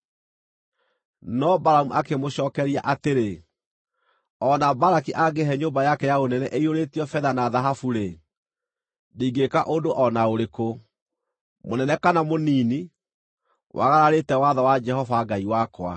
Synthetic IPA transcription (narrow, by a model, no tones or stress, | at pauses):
nɔbaɾamuʔakemoɕɔːkɛɾiaʔateɾe | ɔnabaɾakiʔaɡeɦɛɲoːmbajakɛjaonɛnɛʔeioɾetiɔfɛðanaðaɦafuɾe | diɡekaʔodoʔɔnaoɾeko | monɛnɛkanamoniːni | wʔa̰ɣaɾaɾetɛwaðawad͡ʒɛɦɔvaɡaiwakwa̰